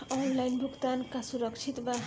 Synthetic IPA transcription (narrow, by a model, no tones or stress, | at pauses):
ɔnlajnbʱuɡt̪ankasuɾʌkt͡ʃʰit̪ba